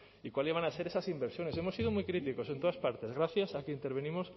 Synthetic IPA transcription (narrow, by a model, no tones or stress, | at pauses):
ikwaliβ̞anaseɾesasimbeɾsjonesemosiðomujkɾit̪ikosent̪oaspaɾt̪ezɣɾaθjasakeint̪eɾβenimos